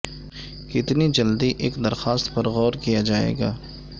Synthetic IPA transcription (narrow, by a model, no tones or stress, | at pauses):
kɪt̪nid͡ʒɐld̪iʔeːkd̪ɐɾxaːst̪pɐɾɣɔːɾkijad͡ʒaːḛːɡaː